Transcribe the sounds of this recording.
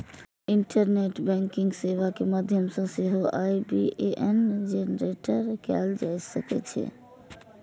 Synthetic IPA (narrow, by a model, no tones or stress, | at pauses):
ɪɳʈəɾneʈbɛ̃ŋkɪ̃ŋɡseʋakemad̪ʱjəmsə̃sɪɦoʔaibiʔeʔɛnd͡ʒenɾeʈəɾkɛ̰ld͡ʒajsəkɛ̰t͡ʃʰɛ̰